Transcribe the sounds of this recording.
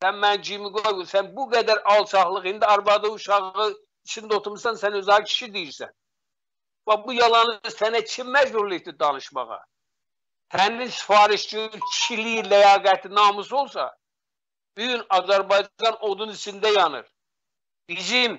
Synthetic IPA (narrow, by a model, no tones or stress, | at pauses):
sænmænd͡ʒimiɡoɡusænbuɡæd̪æɾɑlˠt͡ʃʰɑχlˠɯχind̪iɑɾbɑd̪ɯuʃɑʁɯ | it͡ʃʰind̪ot̪ʰuɾmɯʃsɑnsænøzɑcʰi̥ʃid̪ijiɾsæ̰n | vɑbujɑlˠɑnɯsænæt͡ʃʰimːæd͡ʒbuɾliçt̪id̪ɑnɯʃmɑ̰ʁɑ̰ | t̪ʰæninsi̥fɑːɾiʃt͡ʃicʰiʃilijilæjɑːɡæt̪ʰinɑːmɯs̬o̞lˠsɑ̰ | b̥yjynɑzæɾbɑjd͡ʒd͡ʒɑnod̪unit͡ʃʰind̪æjɑnɯ̰ɾ | b̥izim